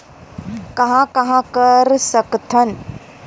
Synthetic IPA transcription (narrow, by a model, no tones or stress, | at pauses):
kɐɦãkɐɦãkɐɾsəkt̪ʰən